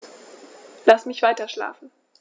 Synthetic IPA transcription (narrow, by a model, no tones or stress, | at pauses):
lasmɪçv̥aɪtɐʃla̰ːfn̩